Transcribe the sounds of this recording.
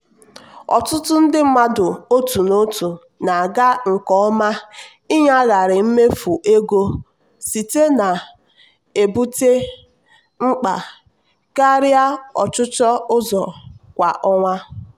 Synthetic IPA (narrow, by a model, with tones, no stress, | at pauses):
ɔ̰˨tʊ˦tʊ˦n̩˦dɪ˦m̩˦ma˦dʊ˨o˦tu˨no˦tu˨ | na˨a˨ɡa˦ŋ̩˨kɔ˨ɔ˦ma˦ | i˦ɲa˦ɣa˨ɾɪ˨m̩˦me˦fu˨ʔe˦ɡo˦ | si˨te˦na˨ | e˨bu˦te˦ | ŋ͡m̩˦k͡pa˨ | ka˦ɾɪ˦a˦ɔ̰˨t͡ʃʊ˦t͡ʃɔ˦ʊ˦zɔ˨kʷa˨ʔɔ˦ŋʷa˦